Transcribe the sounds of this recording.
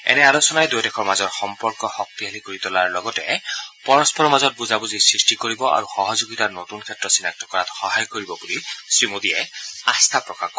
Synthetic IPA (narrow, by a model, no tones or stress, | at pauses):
ɛ̰nɛalosɔnajdujdɛkʰɔɹmazɔɹxɔmpɔɹkɔxɔk̚t̪iɦalikoɹitɔlaɹlɔɡɔtɛ̰pɔɹɔspɔɹɔmazɔt̚buzabuzisɹistikoɹibɔʔa̰ɹuxɔɦɔzoɡitaɹnotunkʰɛtɹɔsinak̚tɔkɔɹatxɔɦajkoɹibɔbulisɹimodiɛast̪ʰapɹɔkaxkɔ